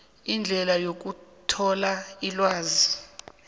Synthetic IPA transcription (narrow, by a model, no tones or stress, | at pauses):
ind͡ɮʱɛlajok̬utʰɔlailwaːzi